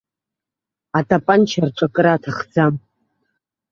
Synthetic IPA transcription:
atʼapʼant͡ʃʰarʈ͡ʂʷʼakʼɨɾaːtʰaχd͡zam

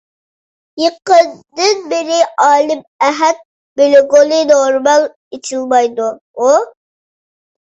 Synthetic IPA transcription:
jəqənd̪ɨnbɪɾɪʔɑːlˠɪm | ɛɦɛt̪̚ | belɪɡolˠɨnoɾmɑlˠ | et͡ʃʰilˠmɑjd̪u | u

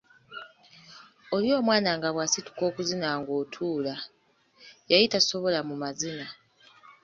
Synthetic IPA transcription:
o̞ljo̞ːmwaːnaŋɡaβwaːsitu̥ko̞ːkuzinaːŋɡo̞ːtʰuːla | jajitaso̞βo̞lamumazina

